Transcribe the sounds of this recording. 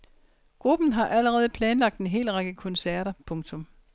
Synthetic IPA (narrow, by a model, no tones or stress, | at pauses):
ɡ̥ʁub̥n̩ɦɑ̈ʔæləʁɛːð̞̩ˠəpʰlɛːnlɑ̈ɡ̥̚d̥enɦe̝̰ːlʁɑ̈ɡ̥əkʰɔ̽nsæɐ̰ɾɐpʰɔ̽ŋt͡sʰɔ̽m